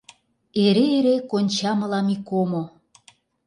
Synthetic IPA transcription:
eɾeːɾekonʲt͡ɕɑmɤ̆lɑmikomo

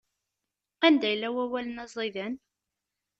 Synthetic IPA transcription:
ænd̪æjlːæwæwælənæzˤiðæn

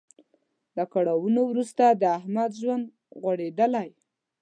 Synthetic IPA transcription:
lakaɽawunowɾust̪ad̪əahmad̪ʒwand̪ | ɣaɽed̪əlaj

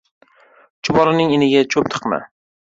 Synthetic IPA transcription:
t͡ʃʰʊbɒɾɪnɪŋɪnɪɡʲat͡ʃʰɵp̚t̪ʰɨ̥qma̰

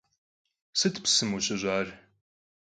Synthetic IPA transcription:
sɨtʰpsɨmuɕɐʑʷaːr

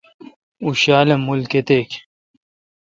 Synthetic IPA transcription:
uɕaːlemulket̪ek

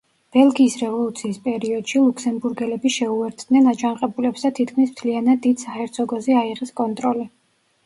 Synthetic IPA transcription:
b̥ɛlˠɡiːsɾɛvɔlˠut̪sʰiːspʼɛɾiɔd̪̥ʃilˠukʰsɛmbuɾɡɛlɛbiʃɛuɛɾt̪ʰd̪nɛnat͡ʃʰʼanqʼɛbulɛpsd̪at̪ʰit̪̚ʰkʰmismt̪ʰlianad̪ːid̪sahɛɾt̪sʰɔɡɔziaiʁɛskʼɔnt̪ʼɾɔli

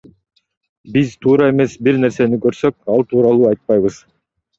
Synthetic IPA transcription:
bizt̪ʰuːɾɑe̞me̞sbiɾne̞ɾse̞nikøɾsø̞k̚ɑlˠt̪ʰuːɾɑlˠuːɑjt̪̚pɑjβɯz̥

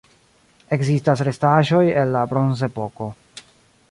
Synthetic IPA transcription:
e̞kzistasɾe̞staʒo̞je̞nːabɾo̞nze̞po̞ko̞

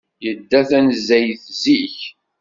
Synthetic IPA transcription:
jəd̪ːæθænzæjθziç

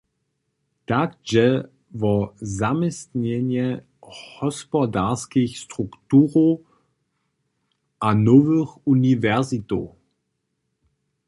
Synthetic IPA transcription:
takʒɛ | vɔzamɪstɲɛnjɛ | hɔspɔdaskixstʁ̥uktuːʁo | ʔanɔvəxunivɛʁzito̰

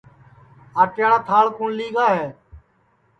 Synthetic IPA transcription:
aːʈjaːɽãːt̪ʰaːlkuːnliːɡaːɦeː

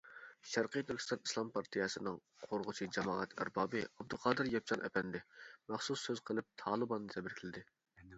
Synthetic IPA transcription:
ʃæɾqɨjt̪ʰyɾkʲi̥st̪ɑni̥slˠɑmpʰɑɾt̪ʰɨjɛsɨnɨŋqʰoɾʁʊt͡ʃʰid͡ʒɛmɑːɛt̪ʰæ̰ɾbɑːbɨɑb̚d̪uqʰɑːd̪ɨɾjɛp̚t͡ʃʰɑnʔɛ̰pʰɛnd̪ɪmæχsusːøzqʰəlˠɪp̚t̪ʰɑːlˠɨbɑnːɨt̪ʰɛbɪɾkʲʰɪlɪd̪ɪ

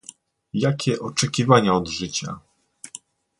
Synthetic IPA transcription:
jakʲɛʔɔt͡ʂɛkʲivaɲaɔd̪ʐɘt͡ɕa̰

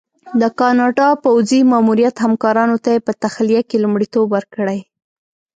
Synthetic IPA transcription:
d̪əkɑnɑɖɑpawzimɑmuɾijat̪hamkɑɾɑnot̪ajepət̪axlijakelumɽit̪obwəɾkəɽaj

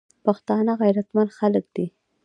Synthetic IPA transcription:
paxt̪ɑnaɣajɾat̪manxalək̚d̪i

